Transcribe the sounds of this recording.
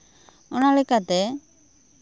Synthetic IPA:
ɔnalɛkat̪ɛ

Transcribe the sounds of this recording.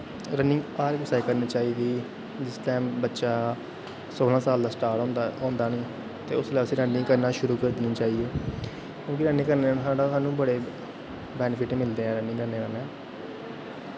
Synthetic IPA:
ɾənɪŋɡaːɾksaːiːkəɾniːt͡ʃaːiːd̪iː | d͡ʒɪsʈaːmbətːʃaː | soːlãːsaːld̪aːsʈaːɾʈːnd̪ɔ̃ːnd̪aːnĩː | t̪ḛːʊslaːəsĩːɾənːɪ̃ŋkəɾnaːʃʊɾuːkəɾd̪ɪnĩːt͡ʃaːɦiːeː | kjõːkiɾənːẽːkəɾnːsaːɽaːaːnũːbəɽeː | bɛːnfʰɪʈːmɪld̪eːɦɛ̃ːɾənɪ̃ŋkəɾneːkənɛ̃ː

